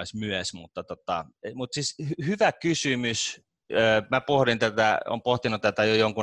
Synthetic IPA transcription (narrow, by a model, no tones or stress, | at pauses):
isʲmyæsmut̪ːɑt̪ot̪ɑ̰mut̪sishhyʋækysymys | øːmæpohɾint̪æt̪æ̰o̰ːmpoht̪inut̪æt̪æjojoŋku